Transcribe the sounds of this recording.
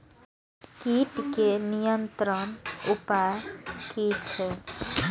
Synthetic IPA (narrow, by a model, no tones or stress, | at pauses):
kiːʈkenijənt̪ɾənʊpajkiʈt͡ʃʰɛ